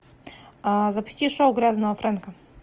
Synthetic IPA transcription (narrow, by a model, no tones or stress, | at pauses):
zɐpʊ̥sʲtʲiʂowɡɾʲaznəʋəfɾɛnkə